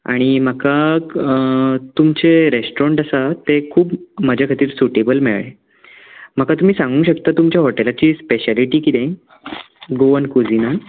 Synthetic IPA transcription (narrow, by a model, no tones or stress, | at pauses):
a̰ɽ̃im̤əka | t̪umt͡seɾesʈɾɔɳʈəsat̪ekʰuːpməd͡ʑʱakʰat̪iːɾsuʈebəlmeɭɭe | m̤əkat̪um̤iːsãŋɡũːɕəkt̪at̪umt͡ɕjaɦɔʈelat͡ɕiːspeɕaliʈiːkit̪ẽ | ɡoənkud͡zina